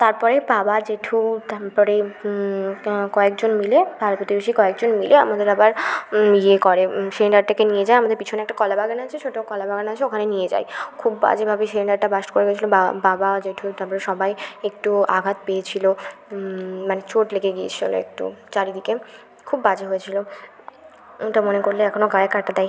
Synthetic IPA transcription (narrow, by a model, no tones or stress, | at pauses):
t̪aɾpɔɾebabad͡ʑeʈʰut̪aɾpɔɾe | kɔek̚d͡ʑonmilebʱaɾot̪pɾot̪ibeʃikɔek̚d͡ʑonmileamad̪eɾabaɾiekɔɾesileɳɖaɾʈakenijed͡ʑajamad̪eɾpit͡ɕʰoneɛk̚ʈakɔlabʱaɡanaat͡ɕʰeʃʰoʈakɔlabʱaɡanaat͡ɕʰeokʰanenijed͡ʑa̰jkʰubːa̰d͡ʑebʱabeʃileɳɖaɾʈabaʃʈkoɾeɡɛjet͡ɕʰiloababad͡ʑeʈʰut̪abɾeʃɔbajekʈuaɡʱat̪peet͡ɕʰilo | manet͡ɕoʈlekʰeɡiet͡ɕʰilo̰ḛk̚ʈṵt͡ɕaɾid̪ike | kʰubːad͡ʑeɦojet͡ɕʰilo | oʈamonekoɾleɛkʰonoɡaekːaɾʈad̪ɛj